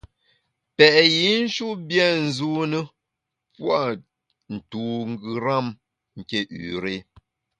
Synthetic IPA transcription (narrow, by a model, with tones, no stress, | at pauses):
pɛ˨ʔji˨˦n̩˦ʃu˦bjɛ˦˨n̩˨zu˦nə˦ | pwa˦˨ | n̩˨tu˨ŋ˦˨ɡɨ˨ɾa˦˨m | ŋ̩˨ke˦ʔʉ̰˨ɾe˦